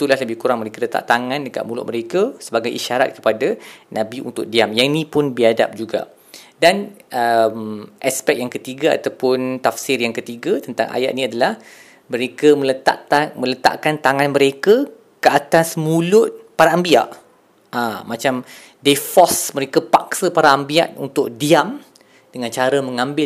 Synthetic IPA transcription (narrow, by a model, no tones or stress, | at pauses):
t̪ulahləbɪhkuɾaŋməɾekalət̪a̰ʔt̪aŋãndəka̰ʔmulʊ̰ʔ̪̚məɾekəsəbaɡajʔiʃaɾa̰t̪̚kə̥padanʔãbiṵnt̪ʊk̚diamjainĩpʊnbiada̰p̚d͡ʒuɡa̰ | danəmʔaspɛk̚jaŋkət̪iɡaa̰t̪awpʊnt̪afsɪrjaŋkət̪iɡat̪ənt̪a̰ŋʔa̰ja̰ʔ̪̚niadalah | məɾekəmə̃lət̪a̰ʔamə̃lət̪a̰ʔkant̪aŋãnməɾekə | kəat̪asmũlʊt̪̚paɾaːmbia̰ʔ | amat͡ʃam | defɔsməɾekəpak̚səpaɾaːmbia̰ʔ̪unt̪ʊk̚diam | d̥əŋãnt͡ʃaɾəmə̃ŋãmbɪ